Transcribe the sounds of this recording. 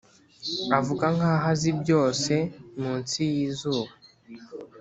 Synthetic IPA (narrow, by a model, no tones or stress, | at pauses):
avuɡaŋɡaːɦazibjo̞ːse̞muːnsijiːzuːβa